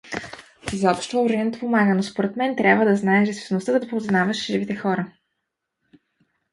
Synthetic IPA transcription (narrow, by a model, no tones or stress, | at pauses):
izɔpʃt̪ooɾiɛnt̪pomaɡənospoɾɛt̪mɛnt̪ɾʲabvəd̪ɐznaɛʒɛssnost̪əd̪d̪poznavɐʃʒivit̪ɛxɔɾə